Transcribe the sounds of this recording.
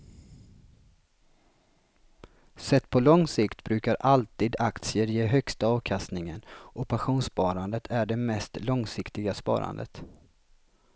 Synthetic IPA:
sɛt̪ːpʰɔlɔŋsɪkt̪bɾʉ̟ːkaɾʔalt̪iːd̪akt̪sɪəɾjeːɦœkst̪aɑːvkʰast̪nɪŋənʔɔpʰaɧuːnspɑːɾand̪ət̪ʰæɖɛmɛst̪lɔŋsɪkt̪ɪɡaspɑ̰ːɾa̰nd̪ə̰t̪

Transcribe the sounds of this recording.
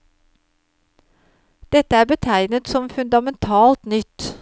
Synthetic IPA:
d̪̥ɛt̪əæːbət̪ʰæɪnət̪sɔmfʉnd̪ɑmɛnt̪ʰɑːlt̪nʏt̪

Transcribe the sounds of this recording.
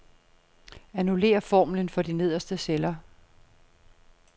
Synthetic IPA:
ænule̝̰ːɐfɒ̰ːmlənfɒ̽d̥ine̝ð̞̰ˠɐsd̥əselɐ

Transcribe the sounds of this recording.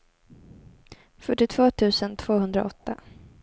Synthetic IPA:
fœʈːɪt̪ʰv̥oːt̪ʰʉ̟ːsənt̪ʰv̥oːɦɵnd̪ɾa̰ɔt̪ːa̰

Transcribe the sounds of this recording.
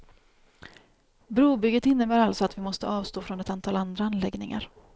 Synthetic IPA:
bɾuːbʏɡːət̪ɪnːəbæːɾalt̪sɔat̪vɪmɔst̪ə̰ʔɑːvst̪oːfɾɔnɛt̪ant̪ʰɑːland̪ɾaanlɛɡnɪ̰ŋa̰ɾ

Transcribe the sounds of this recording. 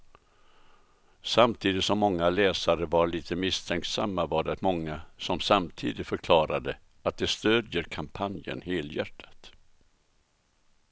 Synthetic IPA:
samt̪ʰiːd̪ɪt̪sɔmːɔŋːalɛːsaɾəvaɾɭiːt̪ʰəmɪst̪ʰɛŋk̪samːavaɖɛat̪mɔŋːasɔmsamt̪ʰiːd̪ɪt̪fœɾkʰlɑːɾad̪ə | at̪̚d̪ɛst̪øːd̪jəɾkʰampʰanjə̰nheːljæ̰ʈʰːḁt̪

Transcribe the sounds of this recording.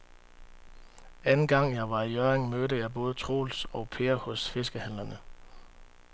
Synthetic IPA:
ænn̩ɡ̥ɑ̈ŋ̰jɑ̈ɪʋɑ̈ijœːɐʁeŋmøɾəjɑ̈ɪb̥ɔ̽ːð̞ˠət͡sʰʁo̝̰ːlsɒ̽ʊpʰeːɐhɔ̽sfe̝sɡ̥əhæn̰lɐnə

